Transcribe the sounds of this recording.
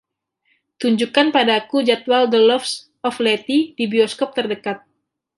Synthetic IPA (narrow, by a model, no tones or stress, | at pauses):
t̪uɲd͡ʒukanpadakud͡ʒat̪̚waldəlɔfs | ɔflɛt̪idibiɔskɔp̚t̪ərdəkat̪̚